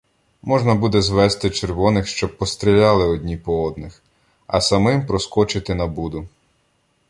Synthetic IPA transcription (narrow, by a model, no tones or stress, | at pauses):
mɔʒnɐbud̪ɛzʋɛst̪ɪt͡ʃerʋɔnɪxʃt͡ʃɔb̚ːɔst̪ɾʲilʲɑlˠɪɔdʲnʲipɔɔd̪nɪx | ɐ̰sɐmɪmpɾɔskɔt͡ʃɪt̪ɪnɐbud̪ʊ